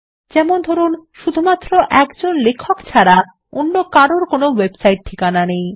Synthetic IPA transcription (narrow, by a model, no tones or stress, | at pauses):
d͡ʑɛmond̪ʱɔɾunʃud̪ʱumat̪ːɾoʔɛkd͡ʑonlekʰokt͡ɕʰaɾa | onːokaɾoɾkonowebsajʈ̚ʈʰːikananej